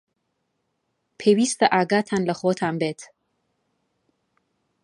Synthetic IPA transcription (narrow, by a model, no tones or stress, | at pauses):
pʰeːwiːst̪əʔaːɡaːt̪ʰaːnləxoːt̪ʰaːmbeːt̪ʰ